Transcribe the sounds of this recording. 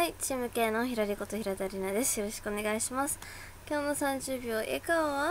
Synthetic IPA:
ait͡ɕiːmɯ̟ke̞ːno̞çiɾaɾʲiko̞t̪o̞hçiɾat̪aɾʲinad̪e̞sɨ̥jo̞ɾo̞ɕi̥kɯ̟one̞ɡaiɕimasɨ̥ | kʲo̞ːno̞sãɲ̟d͡ʑɨːbʲjo̞ːʔḛkaβa

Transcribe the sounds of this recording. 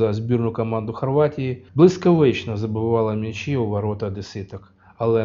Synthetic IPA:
ɐzʲbʲirnʊkɐmand̪ʊxɐrʋatʲɪjiblˠɪskɐʋɪt͡ʃnɐzɐbɪʋɑlˠɐmʲit͡ʃiʊʋɐɾɔt̪ɐd̪ɪsɪt̪ɐk | ɐlˠɛ

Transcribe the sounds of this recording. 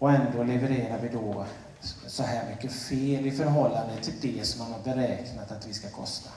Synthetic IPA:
ɔɛnd̪oːlɛvɛɾeːɾaɾvɪd̪ɔː | sɔɦæːɾmʏkːəfeːlɪfœɾɦɔlːand̪ət̪ʰɪld̪ɛsɔmhanhaɾbɛɾɛːknat̪at̪vɪskakʰɔ̰st̪a

